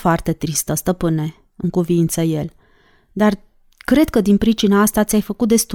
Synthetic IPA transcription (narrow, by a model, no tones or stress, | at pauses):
foart̪e̞t̪ɾist̪əst̪əpɨne̞ | ɨŋkuvint̪səje̞l | d̪ar | kɾe̞d̪̚kəd̪inpɾit͡ʃinaast̪at̪sʲajfəkut̪̚d̪e̞st̪